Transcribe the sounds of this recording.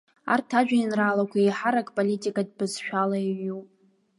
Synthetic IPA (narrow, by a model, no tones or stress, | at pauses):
a̰rtʰaʒᶣainralakʷʰaiħaɾakʼpʼolitʼikʼad̚bɨzʃᶣalaiɥupʼ